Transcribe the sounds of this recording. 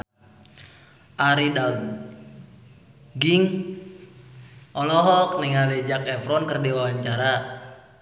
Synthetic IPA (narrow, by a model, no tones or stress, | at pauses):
ʔaɾida | ɡiŋ | ɔlɔɦɔk̚nɛŋalɛd͡ʒakɛfɾɔnkərdiwawaɲt͡ʃaɾa